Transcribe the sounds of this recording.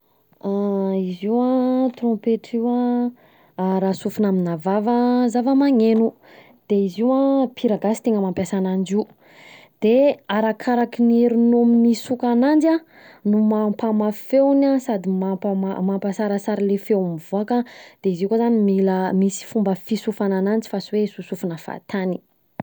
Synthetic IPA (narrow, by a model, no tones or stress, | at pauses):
aiziwat̪rɔ̃peʈ͡ʂiwa | ɾasufunaminavavəzavəmaŋenu | d̪̥eiziwapʰiɾaɡasi̥t̪eŋəmampjasanand͡ʒiu | d̪̥eaɾakʰaɾakineɾunominisukanand͡ʒa | numampamafewnasad̪imapamamampasaɾəsaɾilefewmivoakad̪̥eizikozanimiləmisi̥fumbəfisufananand͡ʒi̥fasiwesusufunəfa̰t̪ʰani